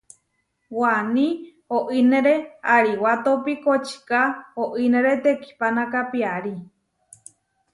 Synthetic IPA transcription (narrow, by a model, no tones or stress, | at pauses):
wanĩ | oʔinẽɾeaɾiwat̪opikot͡ʃi̥kaoʔineɾet̪eki̥panakapiaɾi